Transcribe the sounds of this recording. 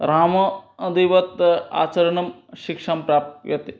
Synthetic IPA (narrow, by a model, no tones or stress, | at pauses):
ɾaːmɐːd̪iʋɐt̪a̰ːt͡ʃɐɾɐɳɐmʃikʂaːmpɾaːp̚t̪ʋjɐt̪i